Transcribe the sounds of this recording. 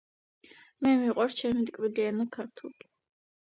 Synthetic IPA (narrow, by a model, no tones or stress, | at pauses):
mɛmiqʼɔɾst͡ʃʰɛmit̪ʼkʼbiliɛnakʰaɾt̪ʰuli